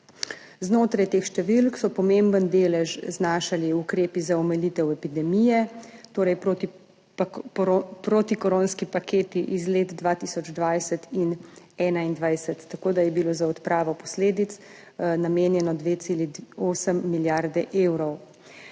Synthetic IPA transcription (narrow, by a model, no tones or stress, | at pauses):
znoːt̪ɾajt̪eːxʃt̪ɛʋilksɔpɔmembənd̪eːlɛʒznaːʃaliukɾeːpizaɔmɛlit̪ɛwɛpid̪ɛmijɛt̪oːɾɛj | pɾot̪ikɔɾoːnskipakʰeːt̪iʔizleːt̪d̪ʋaːt̪isɔd͡ʒd̪ʋajsət̪inɛːnaind̪ʋajsət̪ːakoːd̪ajɛbiloːzaɔt̪pɾaːʋɔpɔsleːd̪it̪s | nameːnjɛnɔd̪ʋeːt̪seːlioːsəmːiljaɾd̪ɛʔeːwɾɔw